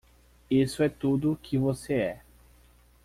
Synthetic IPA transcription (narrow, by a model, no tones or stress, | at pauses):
isʊɛt̪ud̪ʊkʰɪvoseɛ